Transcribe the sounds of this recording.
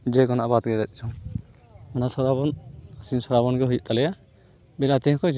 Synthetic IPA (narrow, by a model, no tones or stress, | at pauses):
d͡ʒɛɡɔnaʔbat̪ɡɛd̪ɛt̪̚ˀt͡ʃʰɔ | ɔnasɔɾabɔnasinsɔɾaβɔnɡɛɦujuʔt̪alɛja | bɛlat̪ɛ̃kɔd͡ʒ